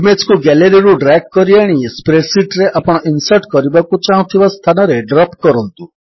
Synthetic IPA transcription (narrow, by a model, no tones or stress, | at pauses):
met͡ʃkuɡɛleɾiɾũɖɾɛkːɔɾiaɽ̃ispɾeɾsiʈɾeʔapɽ̃ɔʔinsəʈkɔɾibakut͡ʃãw̃t̪ʰiʋast̪ʰanɔɾeɖɾɔpkɔɾɔnt̪u